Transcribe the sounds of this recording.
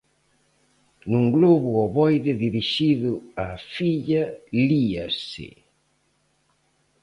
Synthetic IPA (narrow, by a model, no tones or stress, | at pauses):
nuŋɡloβuɔβɔjðeðiɾiʃiðuafiʎaliasɪ̰